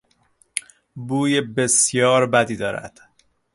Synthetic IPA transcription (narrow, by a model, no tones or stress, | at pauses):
buːjebesjɒːɾbæd̪iːd̪ɒːɾæ̰d̪̥